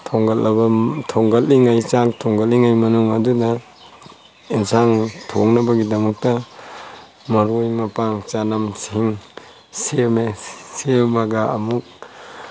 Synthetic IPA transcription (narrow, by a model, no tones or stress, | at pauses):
tʰoŋɡɐlːɐbɐtʰoŋɡɐlːiŋajt͡ʃaŋtʰɔŋɡɐlːiŋajmɐnuŋɐdudɐ | insaŋtʰo̰ŋnɐbɐɡidɐmɐk̚tɐ | mɐɾojmɐpaŋt͡ʃanamsiŋ | semesemɐɡɐɐmuk̚